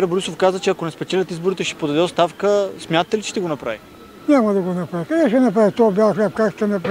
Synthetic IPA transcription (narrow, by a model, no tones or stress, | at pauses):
ɛɾboɾisofkazət͡ʃɛɐkonɛspɛt͡ʃɛlʲət̪izboɾit̪ɛʃɛ̥pod̪ɐd̪ɛost̪afkəsmʲat̪ət̪ɛlit͡ʃɛ̥ʃt̪ɛɡonɐpɾa̰vi | ɲʲamɐd̪ɐɡonɐpɾavikɐnɛʃɛnɐpɾavit̪ɔbʲjaxlɛpkakʃt̪ɛnɐpɾ